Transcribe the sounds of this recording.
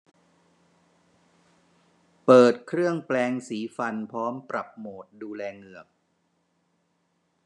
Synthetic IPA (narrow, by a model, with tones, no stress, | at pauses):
pɤː˨˩t̪̚kʰɾɯ˥˩əŋplɛː˧ŋsiː˩˦fa˧npʰɾɔː˦˥mpɾa˨˩p̚moː˨˩t̪̚duː˧lɛː˧ŋɯ˨˩ək̚